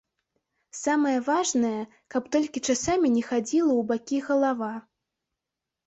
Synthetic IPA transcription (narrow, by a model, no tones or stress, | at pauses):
samɐjɐvaʐnɐjɐ | kɐpt̪ɔlʲkʲit͡ʂasamʲinʲɛxad͡zʲilˠɐwbakʲiɣɐlˠava